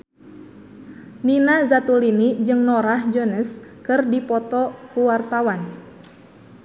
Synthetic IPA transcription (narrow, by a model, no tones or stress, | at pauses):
ninazat̪ulinid͡ʒɨŋnɔɾahd͡ʒɔnəskɨrdipɔt̪ɔkuwart̪awan